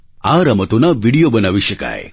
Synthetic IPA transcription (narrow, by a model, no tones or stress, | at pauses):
aɾamət̪unaʋiɽijobənaʋiɕəka̰j